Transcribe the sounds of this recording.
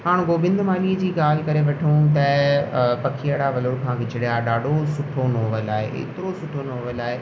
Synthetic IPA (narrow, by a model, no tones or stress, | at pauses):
ɦaːɽ̃ɡoːbɪ̃nd̪ʱmaːliːd͡ʑiːɠaːl̤ɪkɐɾeʋɐʈʰiũt̪̬ɐ | pɐkʰijaɽaʋɐloɽkʰãːɡʱɪt͡ɕɪɽijaɗaːɖʱosʊʈʰonoːʋəlaːɦḛɪ̰t̪ɪɾosʊʈʰonoːʋəlaːɦeː